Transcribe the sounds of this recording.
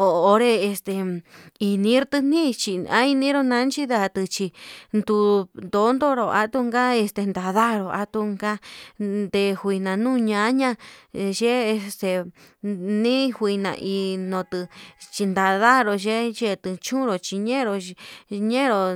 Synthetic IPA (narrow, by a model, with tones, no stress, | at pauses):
oː˨˧ɾe˧e˧st̪e˨i˧nĩ˧˦ɾt̪ɨ˧n̥ĩ˦t͡ʃi˧a˦i˧nĩ˦ɾo˧nã˧˦nt͡ʃi˦ða˧t̪ɨ˧t͡ʃi˧nd̪u˧nd̪o˨˦nd̪o˦ɾo˨ʔa˦t̪u˧ŋɡa˦e˧st̪e˧nd̪a˧˨ða˦˧ɾo˧˨ʔa˧˦t̪u˧ŋɡa˦nd̪e˧˨hʷi˧nã˨nũ˦ɲã˧˦ɲã˦ʒe˦e˧st̪e˧ | nĩ˦hwi˧nã̰˧˨ʔi˧nõ˧t̪ɨ˧t͡ʃi˧nd̪a˧ða˦ɾo˧ʒe˦ʒe˦˧t̪ɨ˧t͡ʃũ˦ɾo˨t͡ʃi˧ɲẽ˦˧ɾo˧ɲẽ˦˧ɾo˨